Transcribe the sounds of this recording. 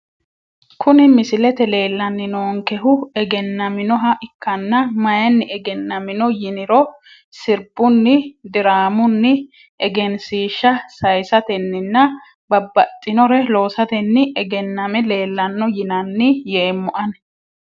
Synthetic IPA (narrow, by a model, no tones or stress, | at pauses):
kʰʊnɪmɪsɪlɛt̪ɛle̞ːlːɐnːɪnoːŋkɛɦʊɛɡɛnːɐmɪnɔɦɐʔɪkːɐnːɐmɐjɐnːɪɛɡɛnːɐmɪnɔjɪnɪɾɔ | sɪɾbʊnːɪd̪ɪɾaːmʊnːɪ | ɛɡɛnsiːʃːɐsɐjsɐt̪ɛnːɪnːɐ | bɐbːɐt̪ʼːɪnɔɾɛlo̞ːsɐt̪ɛnːɪɛɡɛnːɐmɛle̞ːlːɐnːɔjɪnɐnːɪjeːmːʊʔɐn